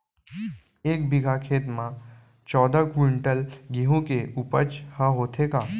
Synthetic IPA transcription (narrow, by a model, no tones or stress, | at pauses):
eːk̚bɪɡʱakʰeːt̪mã | t͡ʃɔːd̪akɪɪɳʈəlɡiɦõkeuːpəɾt͡ʃhəɦoːt̪ʰekaː